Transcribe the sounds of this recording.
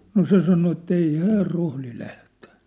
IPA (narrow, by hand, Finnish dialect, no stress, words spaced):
no se sɑno etː ei hæːr rohli læhtæ̥